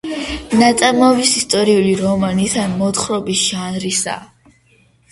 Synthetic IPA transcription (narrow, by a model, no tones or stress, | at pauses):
nat̪ʼamɔvisist̪ʼɔɾiuliɾɔmanit̪ʰanmɔt̪χɾɔbisʒ̥anɾisa̰